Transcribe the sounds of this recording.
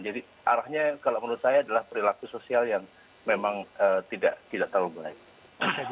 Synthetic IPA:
d͡ʒadi | ʔaɾahɲakalomənut̪sajaːdalahpəɾilakusosialjaŋ | memaŋət̪ida̰ʔt̪idaʔt̪əlbaɪk̚

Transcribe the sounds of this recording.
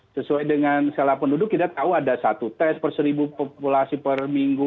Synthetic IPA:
səsuajdəŋansalahpəndudʊk̚t̪id̪at̪auadasat̪ut̪ɛspərsəɾibupopulasipərmiŋɡu

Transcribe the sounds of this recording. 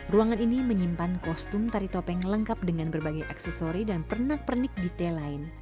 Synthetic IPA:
ruaŋaniniməɲimpankɔst̪ʊmt̪aɾit̪ɔpɛŋləŋkap̚dəŋanbərbaɡajʔaksɛsoɾidanpərnahpərnɪk̚dit̪ɛlaɪn

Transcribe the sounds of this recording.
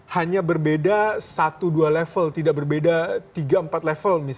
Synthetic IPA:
haɲabərbedasat̪udualɛfəlt̪idaʔ̚bərbedat̪iɡaəmpat̪lefəlmi

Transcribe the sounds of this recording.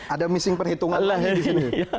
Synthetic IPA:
ʔadamisɪŋpərhit̪uŋanadisini

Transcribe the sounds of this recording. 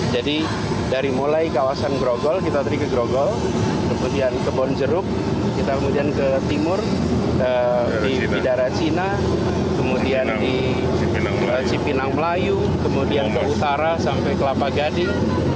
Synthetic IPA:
d͡ʒadi | daɾimolajkawasanɡɾoɡɔlkit̪at̪ədikəɡɾoɡɔl | kəmudiankəbɔnd͡ʒəɾʊp̚ | kit̪akəmudiankət̪imʊr | ə | i | bidaɾat͡ʃina | kəmudiandi | ŋ | ət͡ʃipinaŋməlaju | kəmudiankəut̪aɾasampɛjkəlapaɡadɪŋ

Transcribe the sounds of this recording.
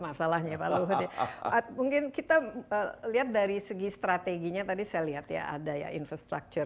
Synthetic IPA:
masalahɲapaluɦut̪iamuŋkɪnkit̪aəliat̪̚daɾisəɡist̪ɾat̪eɡiɲat̪adisajaliɦat̪ja̰ʔa̰daja̰infɾast̪ɾa̰k̚t͡ʃʊr

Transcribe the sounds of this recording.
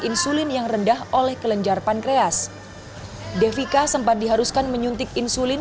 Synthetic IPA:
insulɪnjaŋrəndaholɛhkələɲd͡ʒarpankɾeas | defikasəmpat̪̚diɦaɾuskanməɲunt̪ɪk̚insulɪn

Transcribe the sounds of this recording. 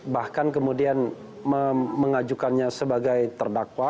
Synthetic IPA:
bahkank̬əmudian | məməŋad͡ʒukanɲasəbaɡajt̪ərdakwa

